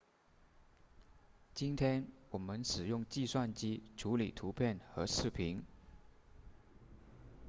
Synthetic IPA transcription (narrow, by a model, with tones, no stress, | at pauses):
t͡ɕi˥nt̪ʰjɛ˥nwɔ˨˩mə˦nʂɻ̩˨˩jʊ˥˧ŋt͡ɕi˥˧swa˥˧nt͡ɕi˥ʈ͡ʂʰu˧˥li˨˩t̪ʰu˧˥pʰjɛ˥˩nxɤ˧˥ʂɻ̩˥˩pʰi˧˥ŋ